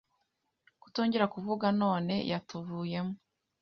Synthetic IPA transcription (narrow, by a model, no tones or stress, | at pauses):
ku̥to̞ːɲɟeɾakuvuɡano̞ːne̞̰jʔatuvuːje̞mo